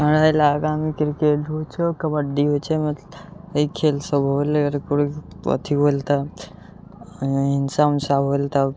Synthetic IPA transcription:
ɡʱə̃ɽajlaːɡaːmikɪɾkeʈɦot͡ʃʰekəməɖiɦot͡ʃʰemeikʰeːlsəbɦolɡəɾkuɽio̰t̪ʰiɦolt̪a | ɦɪnsaunsaɦolt̪a

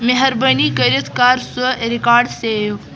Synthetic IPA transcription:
meɦɐɾbɐnikəɾit̪ʰkaːɾsəɾikaːɖseːjo

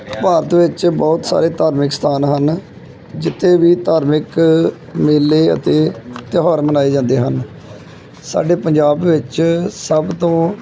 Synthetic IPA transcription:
paːɾət̪ʋɪt͡ʃbɔːt̪sa̰ːɾeːt̪aːɾmɪkst̪ʰaːnɦən | d͡ʒɪt̪ʰːeːʋiːt̪aːɾmɪk | meːlːeːə̰t̪eːt̪ɪɦɔːɾmənaːeːd͡ʒãːnd̪eːɦən | sa̰ːɖeːpəɲd͡ʒaːbʋɪt͡ʃsəbt̪õː

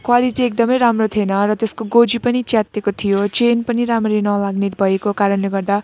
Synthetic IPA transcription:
kʰwalit͡siek̚d̪ʌmʌjɾamrot̪ʰienʌrʌt̪eskoɡod͡zipʌnit͡sjat̪ːekot̪ʰijot͡ʃenpʌniɾamrenʌlaɡnet̪bʱʌekokaɾʌnleɡʌrd̪a

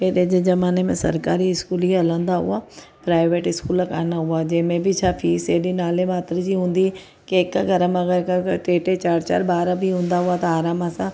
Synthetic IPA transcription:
peːɗed͡ʒed͡ʒɐmaːnemẽsə̰ɾkaːɾiɪskuːliələ̃ːnd̪aɦʊ̰aː | pɾaːɪʋeːʈɪskuːləkaːnaɦʊaːd͡ʒeːmẽbʱit͡ʃʰaːpʰiːseːɗinaːlemaːt̪ɾd͡ʒiɦʊ̃ːnd̪i | keɪkːɡʱəɾəməɡəɾkəʈeːʈet͡ʃaːɾt͡ʃa̰ːɾbaːɾabʱiɦʊ̃ːnd̪aɦʊaːt̪ɐaːɾaːmasã

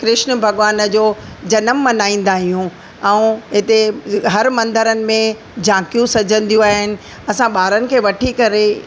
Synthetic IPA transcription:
kɾɪʃnbʱɐɠʋaːnəd͡ʑoːd͡ʑɐnəmːɐnaːĩːn̆d̪aːɦijũ | ɛ̃ːɦɪt̪eɦɐɾmɐ̃nd̪əɾənɪ̆mẽ | d͡ʑãːkijũsɐd͡ʑʱə̃nd̪ijũaːɦɪnɪ̆ | ɐsãɓaːɾənɪ̆kʰeːʋɐʈʰikɐɾe

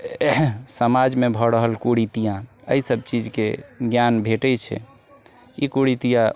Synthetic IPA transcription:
səmad͡ʒmebʱɔɾəɦəlkuɽit̪ijãə̰isəb̚t͡ʃid͡ʒkḛɡjanbʱeʈɛt͡ʃʰɛ̰ | ikuɽit̪ijã

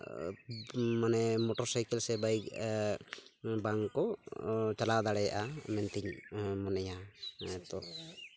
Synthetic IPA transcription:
manɛmɔʈɔɾsajkɛlsɛbaik̚ | baŋkɔt͡ʃalad̪aɽɛjaʔamɛnt̪iɲmɔnɛjaɛt̪ɔ

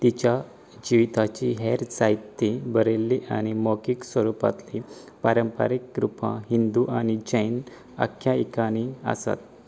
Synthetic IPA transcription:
t̪it͡ɕja | d͡ʑiʋit̪at͡ɕiɦeɾt͡sajt̪ːibəɾelːiʔa̰ñimɔkiksʋəɾupa̰t̪li | paɾəmpa̰ɾikːɾupã̰ɦind̪uʔanid͡ʑəjn | a̰kʰjaikaɽ̃iə̰sa̰t̪

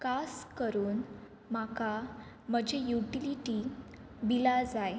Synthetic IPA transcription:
kaskəɾuːn | maka | m̤əd͡ʑʱejuʈiliʈi | bilad͡zaj

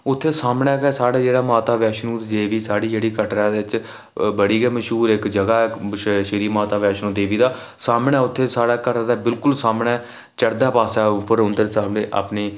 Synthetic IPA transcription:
ʊt̪ʰːeːsaːmɳɛːkɛːsaːɽaːd͡ʒeːɽaːmaːt̪aːʋɛːʃnũːd̪eːʋiːsaːɽiːd͡ʒeːɽiːkəʈɾaːd̪eːɪt͡ʃ | bəɽiːɡɛːməʃɦuːɾɪkd͡ʒəɡaːʃʃɪɾiːmaːt̪aːʋɛːʃnũːd̪eːʋiːd̪aː | saːmɳɛːʊt̪ʰːeːsaːɽaːkəɾd̪aːbɪlkʊlsaːmɳɛː | t͡ʃəɽd̪aːpaːsaːpʰɪɾʊnd̪eɾsaːbneːʔa̰ːpniː

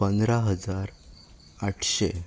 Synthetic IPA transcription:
pənd̪ɾaɦəd͡zaɾ | aʈʰɕe

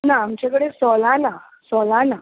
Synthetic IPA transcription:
naːmt͡ɕjakəɽesɔlana | sɔlana

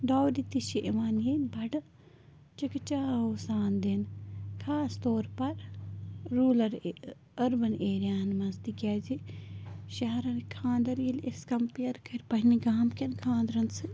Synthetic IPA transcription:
ɖaːwdit̪iʃiʔeʋaːnjenbɐɖɐ | t͡ʃɐkt͡ʃaːoːsaːnd̪enkʰaːst̪oːɾpɐɾ | ɾuːlɐɾ | ɐɾbɐneːɾjaːnmɐnst̪ikʲaːzi | ʃɐɦɐɾɐnkʰãːnd̪ɐɾjileskɐmpijɐɾkʰɐɾpɐɦiniɡaːmkɐnkʰãːnd̪ɾɐnsɨ

